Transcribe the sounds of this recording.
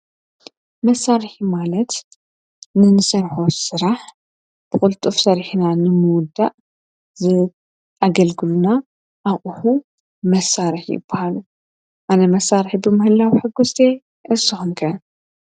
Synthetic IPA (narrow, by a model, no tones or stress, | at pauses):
mɐsːaɾħimalɐt̪ | nɨnɨsɐɾħosɨɾaħ | b̥ɨxʼʊlt̪ʼɨfsɐɾħnanɨmɨwʊd̪ːaʔ | zɨ | ʔaɡɐlɡɨluna | ʔawʼuħu | mɐsːaɾɨħjɪ̰bɐhalu | ʔanɐmɐsːaɾħibɨmɨhɨlawiħɨɡːust̪ʰe | ʔɨsɨxɨnkʰɐ